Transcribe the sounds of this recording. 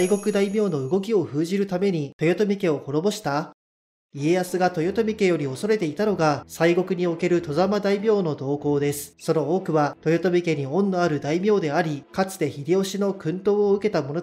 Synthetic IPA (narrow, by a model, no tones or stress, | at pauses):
iɡo̞kɯ̟d̪aimʲo̞ːno̞ɯ̟ɡo̞kʲio̞ɸɯ̟ːʑiɾɯ̟t̪ame̞ɲ̟it̪o̞jo̞t̪o̞mʲike̞o̞ho̞ɾo̞bo̞ɕi̥t̪a | ie̞jasɨɡat̪o̞jo̞t̪o̞mʲike̞jo̞ɾʲioso̞ɾe̞t̪e̞it̪ano̞ɡasaiɡo̞kɯ̟ɲ̟io̞ke̞ɾɯ̟t̪o̞zamad̪aimʲo̞ːno̞d̪o̞ːko̞ːd̪e̞sɨ̥so̞no̞oːkɯ̟βat̪o̞jo̞t̪o̞mʲike̞ɲ̟iõ̞nːoaɾɯ̟d̪aimʲo̞ːd̪e̞aɾʲikat͡sɨ̥d̪e̞çiɾʲio̞ɕino̞kɯ̟̃nt̪o̞ːoɯ̟ke̞t̪amo̞no